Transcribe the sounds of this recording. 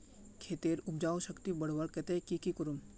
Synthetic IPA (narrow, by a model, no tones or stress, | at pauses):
kʰeːt̪eːɾʊb̚d͡ʒaːoʃəkt̪ibɐɽ̤ʋaɽkɛt̪ekikikəɾum